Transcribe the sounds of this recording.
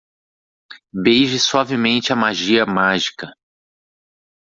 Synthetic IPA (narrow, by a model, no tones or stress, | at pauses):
bejʒɪswavɪmẽnt͡ʃɪɐmaʒiɐmaʒikɐ